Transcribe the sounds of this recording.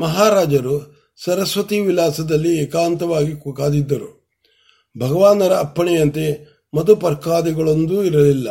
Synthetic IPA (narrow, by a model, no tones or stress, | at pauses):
mɐɦaːɾaːd͡ʒɐɾu | sɐɾɐsʋɐt̪iʋilaːsɐd̪ɐlːiɛːkaːnt̪ɐʋaːɡikukaːd̪id̪ːɐɾu | bʱɐɡɐʋaːnɐɾɐːpːɐɳɛjɐnt̪e | mɐd̪upɐɾkaːd̪ɛɡɐɭo̞nd̪uiɾɐlilːɐ